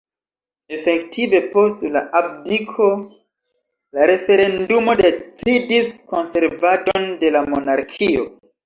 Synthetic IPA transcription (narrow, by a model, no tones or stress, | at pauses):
e̞fe̞ktʰive̞po̞stlaʔab̚dikʰo̞ | laɾe̞fe̞ɾe̞ndumo̞det͡sidisko̞nse̞ɾvadonde̞lamo̞naɾkʰio̞̰